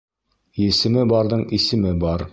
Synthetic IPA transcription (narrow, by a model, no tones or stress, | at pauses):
jɘ̆sɘ̆mɘbɑɾðɤɴisɘ̆mɘbɑɾ